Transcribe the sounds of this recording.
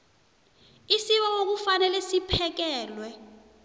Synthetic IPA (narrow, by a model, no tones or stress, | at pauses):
isiɓawok̬ufanɛlɛsipʰɛk̬ɛːlwɛ